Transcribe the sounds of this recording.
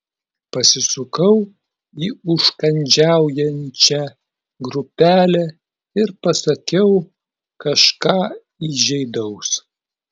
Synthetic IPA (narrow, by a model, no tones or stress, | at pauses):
pɐsʲɪsʊkɐʊ | iːʊʃkɐnʲd͡ʒʲæˑʊjɛnʲt͡ʃʲɛ | ɡɾʊpʲæːlʲɛ | ɪɾpɐsɐkʲɛʊ | kɐʃkɑː | iʒʲɛɪd̪ɐʊs